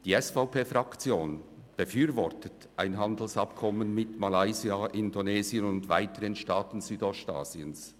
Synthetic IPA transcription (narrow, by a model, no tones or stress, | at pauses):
d̥iːɛsfaʊpʰeːfʁɑkt͡sjoːn | b̥əfyːɾvɔɾtət | ʔaɪnɦɑndl̩sɑpkʰɔmənmɪtmalaɪziaʔɪndoneːzjənʊndva̰ɪtəʁənʃtaːtn̩zyːdɔsta̰ːz̥iəns